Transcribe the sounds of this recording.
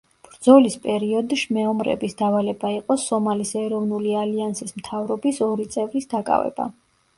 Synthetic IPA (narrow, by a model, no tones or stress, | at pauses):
b̥ɾd̪zɔlispʼɛɾiɔd̪iʃmɛɔmɾɛ̰bisd̪avalɛbaiqʼɔsɔmalisɛɾɔvnulialiansismt̪ʰavɾɔbisɔɾit̪sʼɛvlisd̪akʼa̰vɛ̰ba̰